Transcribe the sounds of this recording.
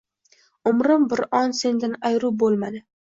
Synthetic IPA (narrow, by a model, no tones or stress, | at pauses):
ʊmɾɪmbɪɾɒnse̞nd̪ɪnajɾʊbolˠmad̪ɪ